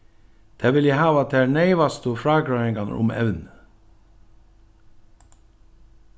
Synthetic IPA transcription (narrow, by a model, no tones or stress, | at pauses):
d̪̥ʰæːʋɪljæɪhɑːʋɑt̪̚d̪æːɳæɪʋɑst̪ʊfɾɑːɡɾɑːhɛŋɡɑnə̰ʔʊ̰mɛ̰ʋn